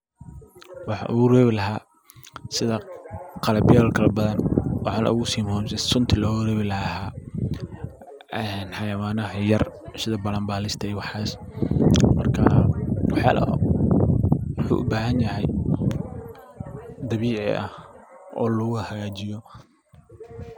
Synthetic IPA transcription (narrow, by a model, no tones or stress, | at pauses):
wɑħɑ̰ʔʊɣʊrɛːβɪlɐɦaː | sɪðɐqɑlɐbjaːlkʰɐlɐbɐðɐnwʔɑħɑːnɐ̰ʔʊɣʊsiːmɔmsɛsʊnt̪ʰɪlɔːɣʊrɛːβɪlɐaːhaː | ɛnħɑjɐwaːnɐɦɐjɐrsɪðɐbɐlɐmbaːlɪst̪ʰɐjwɑħaːs | mɐrkʰɐwɑħja̰ːlɐ̰ | wɑħṵːʔʊ̰baːɦɐnjɐɦɛj | d̪ɐβiːʕɪ̰ʔɐ̰hʔɔ̰ːlʊɣʊhɐɣaːt͡ʃɪjɔ